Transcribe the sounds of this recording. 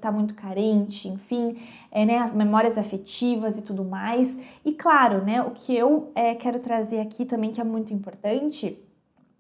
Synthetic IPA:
st̪amũj̃t̪ʊkaɾẽnt͡ʃɪẽfĩ | ɛnɛmemɔɾiɐzafet͡ʃivɐzɪt̪ud̪ʊmajsɪklaɾʊnɛʊkʰɪewɛkɛɾʊt̪ɾazeɾakʰit̪ɐ̃mbẽj̃kɪɛmũj̃t̪ʊĩmpoɾt̪ɐ̃nt͡ʃɪ

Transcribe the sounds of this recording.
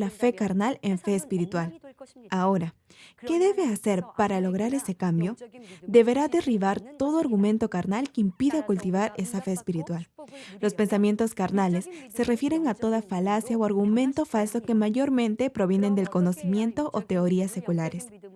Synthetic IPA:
lafe̞kaɾnale̞ɱfe̞ːspiɾit̪walao̞ɾa | ke̞ðe̞βe̞ase̞ɾpaɾalo̞ɣ̞ɾaɾe̞se̞kambjo̞d̪e̞βe̞ɾaðe̞riβaɾt̪o̞ðoaɾɣumẽ̞nt̪o̞kaɾnalkeimpiðakult̪iβaɾe̞safe̞ːspiɾit̪wallo̞spe̞nsamje̞nt̪o̞skaɾnale̞sːe̞re̞fje̞ɾe̞ŋat̪o̞ðafalasjaoaɾɣumẽ̞nt̪o̞falso̞ke̞maʝo̞ɾmẽ̞nt̪e̞pɾo̞β̞je̞ne̞nd̪e̞lko̞no̞simje̞nt̪o̞ʔot̪e̞oɾiasːe̞kulaɾe̞s

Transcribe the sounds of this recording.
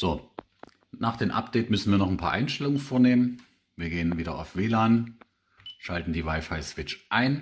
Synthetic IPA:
z̥oː | naːχd̥eːmʔa̰p̚d̥ɛɪtmʏsn̩viːɐnɔχnpʰa̰ːʔaɪnʃtɛlʊŋənfoːɐneːmən | viːɐɡeːənviːɾɐa̰ʊfv̥eːlaːn | ʃaltn̩diːvaɪfaɪsv̥ɪt͡ʃʔaɪn

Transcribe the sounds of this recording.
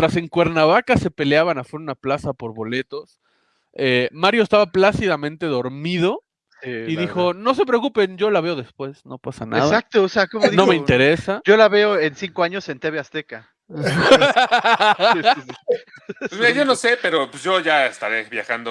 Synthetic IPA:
t̪ɾase̞ŋkwe̞ɾnaβakase̞pe̞leaβanafeɾunaplasapo̞ɾβo̞le̞t̪o̞s | emaɾjo̞est̪aβaplasiðamẽnt̪eðo̞ɾmiðo̞ | iðixo̞no̞s̬e̞p̬ɾeokupe̞nɟ͡ʝo̞laβe̞o̞ðe̞spwe̞sno̞pasa̰na̰ðsak̚t̪oːseakomoðino̞me̞int̪e̞ɾesad͡ʒo̞laβe̞oensiŋkoaɲo̞se̞nt̪eβeast̪eka | esmiɾaʝo̞nose̞pe̞ɾopesʝo̞ʝaest̪aɾeβjaxand̪o

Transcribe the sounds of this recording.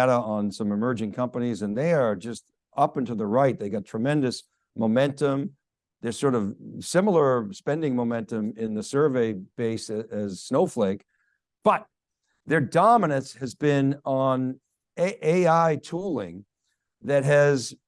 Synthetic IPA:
æɾəə̃nsʌ̃mɨmɜ˞d͡ʒɪ̃ŋkʰʌ̃mpənizɨ̃nðeɪə˞d͡ʒʌst | ʔʌpɨ̃n̩tuðəɹaɪt̪̚ðeɪɡɑtʰɹ̥ɨmɛ̃ndɨs | moʊmɛ̃ntə̃m | ðə˞sɔɹɾʌv̥sɪ̃ml̩ˠə˞spɛ̃ndɪ̃ŋmoʊmɛ̃ntɨ̃mɪ̃nðɨsɜ˞veɪb̥eɪsɨɨz̥snoʊfleɪk | b̥ʌt̪̚ | ðə˞dɑmənɨ̃nshɨzbɪ̃nə̃n | ʔeɪaɪtʰulˠɪ̰̃ŋ | ðɨt̚ɦɨz

